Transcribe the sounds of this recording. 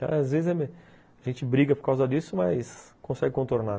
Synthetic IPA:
t̪ɐ̰̃w̃azvezɪzɛme | aʒẽnt͡ʃɪbɾiɡɐpoɾkawzɐd̪isʊmɐjskõsɛɡɪkõnt̪oɾna

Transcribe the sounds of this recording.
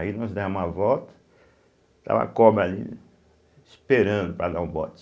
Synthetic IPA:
inɔzd̪ɛmɐvɔwt̪ɐ̥ | t̪a̰vɐ̰kɔbɾɐali | speɾɐ̃nd̪ʊpɾɐd̪aũbɔ̰t̪

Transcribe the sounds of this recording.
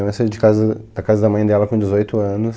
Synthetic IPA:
mẽsɐd͡ʒɪkazɐd̪̥ɐkazɐd̪ɐmɐ̃j̃d̪ɛlɐkõd͡ʒɪzojt̪ʊɐ̃nʊs

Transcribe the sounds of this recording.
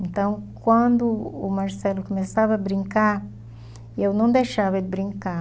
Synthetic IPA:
ẽnt̪ɐ̃w̃kwɐ̃nd̪ʊːmaɾsɛlʊkomesavɐːbɾĩŋkaɾ | ewnɐ̃w̃d̪ejʃavɐd̪ɪbɾĩŋka

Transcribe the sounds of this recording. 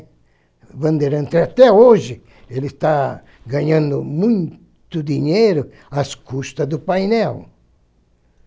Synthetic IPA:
bɐ̃nd̪eɾɐ̃nt̪eat̪ɛoʒɪ | elɪst̪a | ɡaɲãnd̪ʊmũj | t̪ʊd̪iɲejɾʊ | askust̪ɐd̪ʊpajnɛw

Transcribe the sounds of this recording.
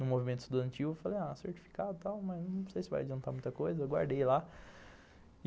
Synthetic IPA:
nʊ̃movimẽnt̪ʊ̥st̪ud̪ɐ̃nt͡ʃivʊefalejaseɾt͡ʃi̥fi̥kad̪ʊt̪awmɐjznɐ̃w̃sejsɪva̰jad͡ʒiɐ̃nt̪amũj̃t̪ɐkojzɐewɡwa̰ɾd̪ejla

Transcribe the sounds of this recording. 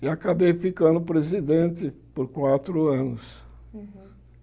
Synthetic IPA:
ɪakabejfikɐ̃nd̪ʊpɾezid̪ẽnt̪ɪpoɾkwat̪ɾʊɐ̃nʊs

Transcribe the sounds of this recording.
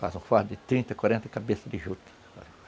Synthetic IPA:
fa̰zũfaɾd̪ɪt̪ɾĩnt̪ɐkwaɾẽnt̪ɐkabesɐd̪ɪʒut̪ɪ̥fa̰z

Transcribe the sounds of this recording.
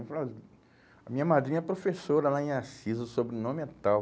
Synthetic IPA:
fa | ɐmĩɲɐmad̪ɾĩɲɐɛpɾofesoɾɐlaĩasizʊsobɾɪnõmɪɛt̪aw

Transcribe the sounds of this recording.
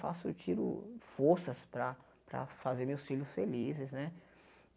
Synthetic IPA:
fa̰sʊt͡ʃiɾʊ̰foɾsɐspɾɐ | pɾɐ̰fazeɾmewsfiʎʊsfelizɪsnɛ

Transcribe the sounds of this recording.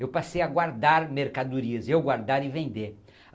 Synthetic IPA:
ewpasejaɡwaɾd̪aɾmeɾkad̪uɾiɐzewɡwaɾd̪aɾɪvẽnd̪eɾ

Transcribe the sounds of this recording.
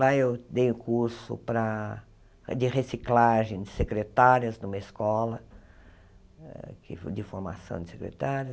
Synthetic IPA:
laewd̪ejʊkuɾsʊ̰pɾɐ | d͡ʒɪʁesiklaʒẽj̃d͡ʒ̪ɪsekɾet̪aɾiɐzd̪ũmɐɪskɔlɐ | kɪd͡ʒɪfoɾma̰sɐ̰̃w̃d͡ʒ̪ɪsekɾḛt̪aɾjɐ

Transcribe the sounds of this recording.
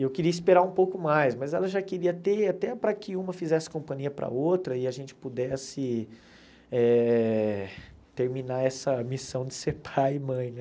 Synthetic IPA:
ewkɪɾiɐispeɾaũpowkʊmajsmɐzɛlɐʒakɪɾiɐt̪eat̪ɛpɾɐkɪũmɐfizɛsɪ̥kõmpɐ̃ɲiɐpɾɐ̰owt̪ɾɐɪaʒẽnt͡ʃɪ̥pud̪ɛsɪ | ɛ | t̪eɾminaɛsɐmisɐ̃w̃d͡ʒɪseɾpʰajɪmɐ̃j̃nɛ

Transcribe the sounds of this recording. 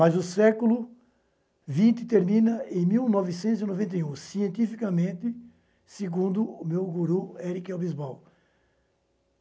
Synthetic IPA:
mɐzʊsɛkʊlʊ | vĩnt̪ɪt̪eɾmĩnɐẽj̃miwnɔvɪs̬ẽnt̪ʊzinovẽnt̪ɐjũsiẽnt̪ifikɐmẽnt̪ɪ | seɡũnd̪ʊːmewɡuɾuɛɾikowbizbaw

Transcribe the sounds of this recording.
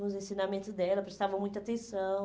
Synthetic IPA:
ʊzẽsinamẽnt̪ʊzd̪ɛlɐpɾest̪avɐ̃mũj̃t̪at̪ẽsɐ̃w̃

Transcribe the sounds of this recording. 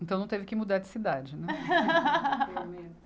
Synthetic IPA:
ẽt̪ɐ̃w̃nɐ̃w̃t̪evɪkɪmud̪aɾd͡ʒɪ̥sid̪ad͡ʒɪnɛ | mẽ

